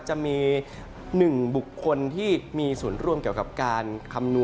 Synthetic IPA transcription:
t͡ɕa˨˩ʔmiː˧ | nɯ˨˩ŋbu˨˩kʰːo˧nt̪ʰiː˥˩miː˧suː˩˦nɾu˥˩əmki˨˩əwka˨˩p̚kaː˧nkʰa˧mnu˧

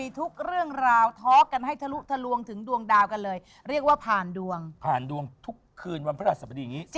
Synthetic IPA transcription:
i˧t̪ʰu˦˥k̚ɾɯ˥˩əŋɾaː˧wt̪ʰɔː˦˥ka˧nɦa˥˩jt̪ʰa˧lu˦˥ʔt̪ʰa˧lu˧əŋt̪ʰɯ˩˦ŋdu˧əŋdaː˧wka˧nlɤː˧j | ɾi˥˩ək̚waː˥˩pʰaː˨˩ndu˧əŋpʰaː˨˩ndu˧əŋt̪ʰu˦˥kʰːɯː˧nwa˧npʰa˦a˥˩sa˧˩ba˧diː˧ŋiː˦˥t͡ɕ

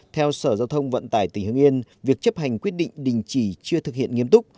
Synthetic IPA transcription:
t̪ʰɛ˧wsəː˧˩zaː˧wt̪ʰə˧wŋ͡mvə̰˧˨nt̪aː˧˩jt̪ï˨˧˩ŋ̟hɨ˧əŋʔi˧nvi˨˩ək̚t͡ɕə˦˥p̚ha˨˩jŋ̟kwət̚ɗḭ˧˨ŋ̟ɗï˨ŋ̟t͡ɕi˧˩t͡ɕɨ˧ət̪ʰɨ˨k̚hḭ˧˨ənŋi˧əmt̪ʊ˦˥k͡p̚

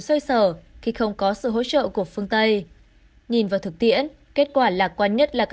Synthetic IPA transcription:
sə˧jsəː˧˩xi˧xə˧wŋ͡mkɔ˨˦sɨ̰˧˨ɦo̰˧˥t͡ɕə̰ː˧˨ku˧˩əfɨ˧əŋt̪ə˧j | ɲi˨˩nvaː˨˩wt̪ɨ˨˩k̚t̪ḭ˧˨ən | ke˦˥t̚kwaː˧˩laː˨˩kwaː˧nɲə˦˥t̚laː˨˩k

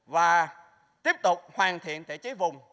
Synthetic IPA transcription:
vaː˨˩ | t̪i˦˥əp̚t̪ʊ˨˩k͡p̚hwaː˨˩nt̪ʰḭ˧˨ənt̪ʰḛ˧˩˨t͡ɕə˨˦vʊ˨˩ŋ͡m

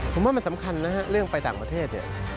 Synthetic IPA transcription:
pʰo˩˦mwaː˥˩ma˧nsa˩˦mkʰa˧nːa˦˥ha˦˥ʔɾɯ˥˩əŋpa˧jt̪aː˨˩ŋpɾa˧t̪ʰeː˥˩t̪̚nḭ˨˩ə

